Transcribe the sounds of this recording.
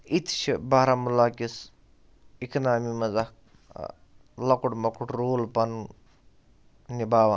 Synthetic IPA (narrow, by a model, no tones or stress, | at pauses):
it̪ʰt͡ʃʰibaːɾamulaːkis | ikʰnaːmimɐzak | lɐkuʈmɐkuʈɾoːlpɐn | nibaːʋɐ